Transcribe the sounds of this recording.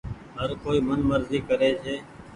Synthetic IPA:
ɦəɾkoːiːmənməɾziːkəɾeːsʰeː

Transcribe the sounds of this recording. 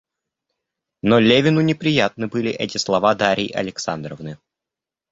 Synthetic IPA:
nolʲevʲɪnʊnʲɪpɾʲɪjat̪̚nɨbɨlʲɪʔɛtʲɪslˠɐvad̪aɾʲɪjʔɐ̰lʲɪksand̪ɾəvnɨ

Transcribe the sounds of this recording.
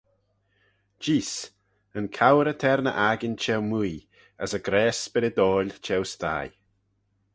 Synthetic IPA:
d͡ʒiːs | ənkʰawɾət̪ʰɛɾnə̰ʔaɡɪnt͡ʃɛwmuj | əsəɡɾɛːsb̥ɪɾəd̪ɔːlʲt͡ʃʰɛwst̪a̰ːj

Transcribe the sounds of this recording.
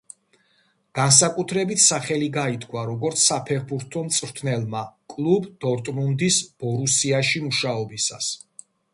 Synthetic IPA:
ɡ̥ans̬akʼut̪ʰɾɛbit̪ʰsaχɛliɡait̪ʰkʰwaɾɔɡɔɾt̪sʰsapʰɛχbuɾt̪ʰɔmt̪sʼɾt̪ʰnɛlˠmakʼlˠubd̪̥ɔɾt̪ʼmund̪isb̥ɔɾusiaʃimuʃaɔbisa̰s

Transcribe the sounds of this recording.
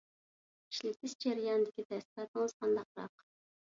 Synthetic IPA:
i̥ʃlɪk̚ʲt̪ɪzd͡ʒeɾijɑnɨd̪ɪkʲit̪ɛst̪ɪpɑt̪əŋəz̥qʰɑnd̪ɑq̚ɾɑ̰q

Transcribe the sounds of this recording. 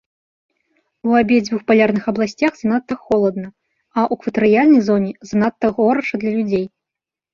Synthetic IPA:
uabʲɛd͡zʲvuxpalʲarnɨxɐblˠasʲt͡sʲaxznat̪ːɐxɔlˠɐd̪̚nɐ | ɐʔukvɐt̪ɨɾɨjalʲnɐjzɔnʲɛzanat̪ːɐɣɔɾɐʂɐd̪lʲɐlʲud͡zʲej

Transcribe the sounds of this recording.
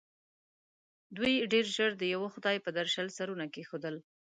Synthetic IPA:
d̪ujɖeɾʒəɾd̪əjawoxʊd̪ɑjpəd̪aɾʃalsaɾunakexod̪əl

